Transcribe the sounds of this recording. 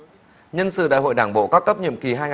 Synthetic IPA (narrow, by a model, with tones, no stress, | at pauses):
ɲə˧nsɨ̰˧˨ɗa̰ː˧˨jɦo̰˧˨jɗaː˧˩ŋɓo̰˧˨kɔ˦kə˦˥p̚ɲḭ˧˨əmki˨˩ɦaː˧jŋ˨